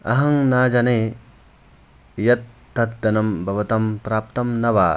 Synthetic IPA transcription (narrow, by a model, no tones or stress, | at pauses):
ɐ̰ɦɐŋnaːd͡ʒane | jɐt̪ːɐt̪̚d̪ɐnɐmbʱɐʋɐt̪ɐmpɾaːp̚t̪ɐmnɐʋaː